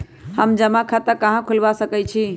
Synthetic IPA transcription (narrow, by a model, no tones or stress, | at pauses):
həmd͡ʒəmãkʰat̪əkəɦãkʰulʋasəkɛt͡ʃʰi